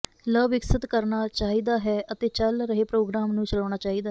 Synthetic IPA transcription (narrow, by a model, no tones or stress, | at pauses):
ləːbɪksət̪kəɾnaːt͡ʃaːɦiːd̪aːɦɛːʔət̪eːt͡ʃəlɾəɦeːpɾoːɡɾaːmnũːt͡ʃəlaːɽ̃aːt͡ʃaːɦiːd̪aː